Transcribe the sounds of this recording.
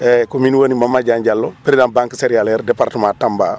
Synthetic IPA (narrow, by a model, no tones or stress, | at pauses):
ɛkominwonimamːaɟaɲɟalːopiɾidanbãŋkiseɾijaleɾdepaɾtəmãːtamba̰ː